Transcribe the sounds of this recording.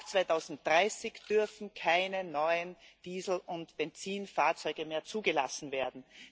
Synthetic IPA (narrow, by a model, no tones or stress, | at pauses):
t͡sv̥aɪtʰaʊzn̩t̚d̥ʁaɪsɪçd̥ʏɐfn̩kʰaɪnənɔʏənd̥iːzl̩ʊntb̥ɛnt͡siːnfaːɐt͡sɔʏɡəmeːɐt͡suːɡəla̰sn̩veːɐdn̩